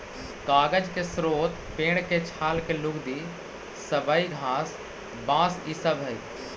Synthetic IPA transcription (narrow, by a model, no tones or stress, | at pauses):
kaːɡəd͡ʒkesɾoːt̪ | peːɽ̃ket͡ʃʰaːlkelʊɡd̪i | sɐbaiɡʱaːs | bãːsisəbʱəi